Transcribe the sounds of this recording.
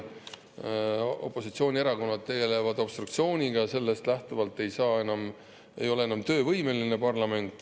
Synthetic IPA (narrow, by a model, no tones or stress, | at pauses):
o̞̰pːˑo̞sit̪sio̞ːnʲie̞ɾɑko̞nːɑt̪̚t̪ːe̞ɡe̞le̞vɑd̪̥o̞b̥st̪ɾrukt̪sio̞ːnʲiɡ̥ɑse̞lːe̞st̪læht̪uvɑlt̪ːˑe̞jsɑːe̞nɑm | e̞̰jo̞leenɑmt̪ø̞ːvɤjme̞line̞pɑrlɑme̞nt̪ˑː